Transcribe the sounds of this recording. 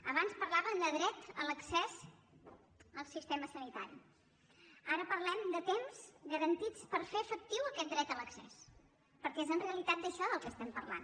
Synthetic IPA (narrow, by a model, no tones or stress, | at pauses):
əβanspəɾlaβəmd̪əðɾɛt̪ələksɛz | əlˠsist̪eməsənit̪a̰ɾḭ | aɾəpəɾlɛmd̪ət̪emz̥ɣəɾənt̪it͡spəɾfeəfək̚t̪iwəkɛt̪̚d̪ɾɛt̪ələksɛ̰s | pəɾkɛezənreəlit̪at̪̚d̪əʃɔðəlˠkəst̪ɛmpərla̰n